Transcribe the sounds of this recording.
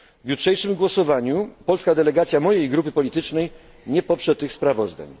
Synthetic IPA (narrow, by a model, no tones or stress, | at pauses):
vjutʂɛjʂɘmɡwɔsɔvaɲupɔlskad̪ɛlɛɡat̪sʲjamɔjejɡɾupɘpɔlʲit̪ɘt͡ʂnɛj | ɲɛpɔpʂɛt̪ːɘxspɾavɔzd̪a̰ɲ